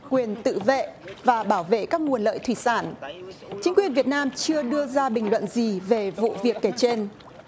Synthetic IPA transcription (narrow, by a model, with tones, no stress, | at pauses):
kwi˨˩ənt̪ɨ̰˧˨vḛ˧˨vaː˨˩ɓaː˧˩wvḛ˧˨kaː˦˥k̚ŋu˨˩ənlə̰ː˧˨jt̪ʰwi˧˩saː˧˩nt͡ɕï˨˦ŋ̟kwi˨˩ənvi˨˩ət̚naː˧mt͡ɕɨ˧əɗɨ˧əzaː˧ɓï˨˩ŋ̟lwə̰˧˨nzi˨˩ve˨˩vṵ˧˨vi˨˩əkːe˧˩t͡ɕe˧n